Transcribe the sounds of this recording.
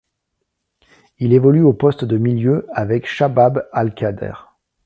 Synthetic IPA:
ilevɔlyopɔst̪d̪əmiljøavɛkʃababalkad̪ɛ̰ʁ

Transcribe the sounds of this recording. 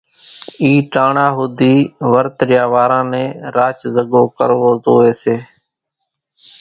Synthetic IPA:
iːʈaːɳaːɦʊd̪iːʋəɾt̪ɾɪjaːʋaːɾãːnɛ̃ːɾaːt͡ʃzəɡoːkəɾʋoːzoːeːseː

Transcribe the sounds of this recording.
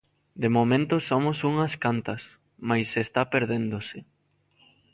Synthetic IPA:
d̪emomẽnt̪ʊsomosuŋɐskant̪ɐs | majsest̪apeɾðend̪osɪ

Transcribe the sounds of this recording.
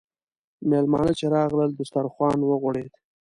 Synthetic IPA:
melmɑːnət͡ʃeɾɑɣləld̪ʊst̪aɾxwɑːnwəɣʊɽed̪

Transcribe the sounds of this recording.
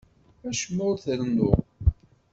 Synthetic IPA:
æʃmːʊɾθəɾnʊ

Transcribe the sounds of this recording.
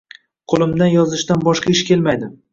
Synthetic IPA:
qʰolˠɪmd̪anjɒzɪʃt̪anbɒʃqʰɑɪʃkʲe̞lˠmajd̪ɪ

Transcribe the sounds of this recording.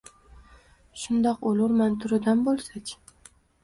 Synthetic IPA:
ʃʊnd̪ɒqolʊɾmant̪ʰʊɾɪd̪anbolˠsat͡ʃʲ

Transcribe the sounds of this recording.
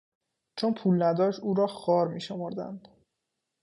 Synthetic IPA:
t͡ʃʰonpʰuːlnæd̪ɒːʃuːɾɒːxɒːɾmiːʃomoɾd̪æ̰nd̪̥

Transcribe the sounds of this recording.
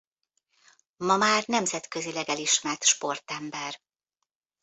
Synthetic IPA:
mɒmaːrnɛmzɛt̪køzilɛɡɛliʃmɛrt̪ʃpo̞rt̪ɛmbɛr

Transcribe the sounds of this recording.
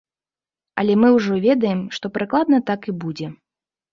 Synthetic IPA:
ɐ̰lʲɛmɨwʐɔvʲɛd̪ɐjɛmʂt̪ɔpɾɨklˠad̪nɐt̪akibud͡zʲɛ

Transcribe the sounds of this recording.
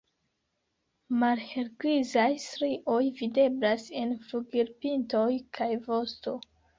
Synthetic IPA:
malhe̞ɾɡɾizajstɾiʔo̞jvide̞blase̞nfɾuɡiɾpinto̞jkʰajvo̞sto̞

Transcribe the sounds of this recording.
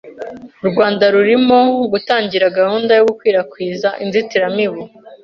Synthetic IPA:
ɾɡwaːndaɾuɾimo̞ɡutaːɲɟiɾaɡahuːndajoɡukwiːɾakwiːzaʔinzitiɾamiβu

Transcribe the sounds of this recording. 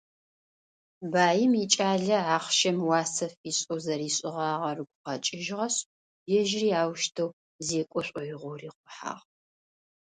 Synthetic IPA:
baːjɪmit͡ʃʼaːɮɐaːχʃɐmwɑːsɐfiːɕʼowzɐɾiːɕʼɪʁɑːʁɐrɨɡʷʊqɐt͡ʃʼɪʒʁɐɕ | jɛʒriːaːwʃtʰɐw | zeːkʷʼɔɕʷʼɔjɪʁʷʊriːqʷʊħa̰ːʁ

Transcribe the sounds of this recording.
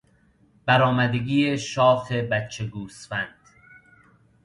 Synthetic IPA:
b̥æɾɒːmæd̪eɡiːeʃɒːfe̞bæt͡ʃʰːe̞ɡuːsfænd̪̥

